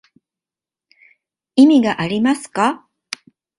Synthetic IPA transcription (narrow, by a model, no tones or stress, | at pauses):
imʲiɡaʔaɾʲimasɨ̥ka